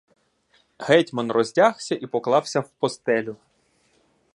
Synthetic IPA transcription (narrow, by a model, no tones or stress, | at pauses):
hɛtʲmɔnrɔzʲdʲaxsʲɐʔipɔklˠɑwsʲɐwpɔst̪ɛlʲʊ